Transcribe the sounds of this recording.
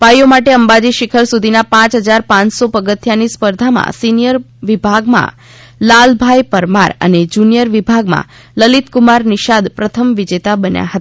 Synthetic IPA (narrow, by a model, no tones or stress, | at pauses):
pajomaʈeəmbad͡ʒiʃɪkʰəɾsud̪ʱinapãt͡ʃɦəd͡ʒaɾpãnt͡ʃsopəɡət̪ʰjanispəɾd̪ʱamã̰sinijəɾ | ʋibʱaɡmã̰ | lalbʱajpəɾma̰ɾə̰ned͡ʒunijəɾʋibʱaɡmã̰ | ləlit̪kumaɾniʃad̪pɾət̪ʰəmʋid͡ʒet̪abənja̰ɦət̪ḁ